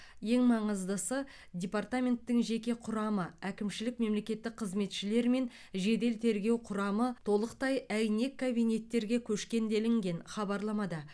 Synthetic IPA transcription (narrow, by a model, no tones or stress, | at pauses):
je̞ŋmɑɴəzd̪əsə | dʲe̞part̪amʲe̞nt̪ːɪŋʒe̞kʲe̞qʰʊɾɑməækʲɪmʃɪlɪk̚me̞mle̞kʲe̞t̪ːɪk̚qʰəzme̞t̪ʃɪle̞ɾme̞n | ʒe̞d̪e̞lt̪ʰe̞ɾɡʲe̞wqʰʊɾɑmət̪ʰo̞lˠəqt̪ɑjæjne̞kʰːabijnʲe̞t̪ːe̞ɾɡʲe̞kʲʰɵʃkʲe̞nd̪e̞lɪŋɡʲe̞nχɑbɑɾlˠɑmɑd̪ɑ